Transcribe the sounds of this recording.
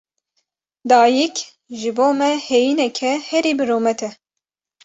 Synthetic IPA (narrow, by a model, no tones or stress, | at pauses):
d̪ɑːjik | ʒɨboːmɛhejinɛkʰɛhɛɾiːbɨɾoːmɛt̪ʰɛ